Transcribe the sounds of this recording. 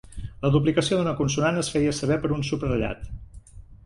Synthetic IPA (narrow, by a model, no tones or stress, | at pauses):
ləðup̬likəsioðunəkunsunanəsfɛjəsəβ̞ɛpəɾunsuprəʎa̰t̪